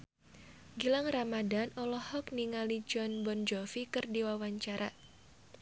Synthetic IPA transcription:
ɡilaŋramadanɔlɔhɔkniŋalid͡ʒɔnbɔnd͡ʒɔfikɨrdiwawaɲt͡ʃaɾa

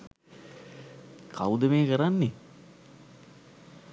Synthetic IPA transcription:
kʰa̰wud̪əmeːkəɾanːe

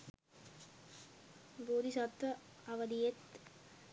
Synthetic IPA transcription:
buːd̪isɐt̪ʋɐɐʋɐd̪ijet̪

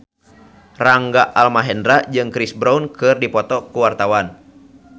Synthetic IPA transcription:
raŋɡaʔalmaɦɛndɾad͡ʒɨŋkɾisbɾaunkɨrdipɔt̪ɔkuwart̪awan

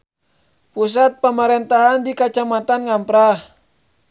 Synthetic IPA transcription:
pus̬at̪̚pəməɾɛnt̪aɦandikat͡ʃamat̪anŋampɾah

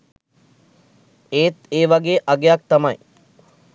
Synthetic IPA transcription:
eːt̪eːʋaɡeːʔaɡejak̚t̪ɐmɐj

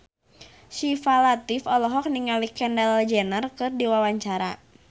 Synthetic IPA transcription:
sifalat̪ifɔlɔɦɔk̚niŋalikɛndald͡ʒɛnərkɨrdiwawaɲt͡ʃaɾa̰

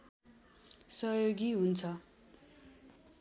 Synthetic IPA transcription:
sʌjoɡiɦunt͡sʰʌ

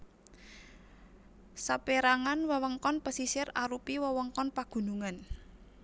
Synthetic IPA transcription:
sapeɾaŋanwəwɔŋkɔnpəsisɪraɾupiwəwɔŋkɔnpaɡ̥ṳnuŋan

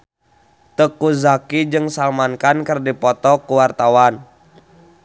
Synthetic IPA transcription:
t̪əkuzakid͡ʒɨŋsalmankankərdipɔt̪ɔkuwart̪awan

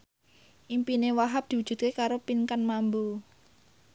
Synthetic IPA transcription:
ʔimpinewaɦap̚d̪̥i̤wudd͡ʒ̥ṳt̪̚kekaɾopiŋkanmambu

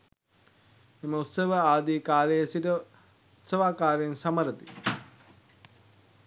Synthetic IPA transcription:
eməut̪səʋəaːd̪iːkaːləjəsiʈə | ut̪səʋaːkaːɾensaməɾət̪i

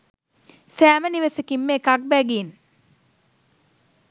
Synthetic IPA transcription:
sæːməniʋəsəkimːeːkak̚bæɡin

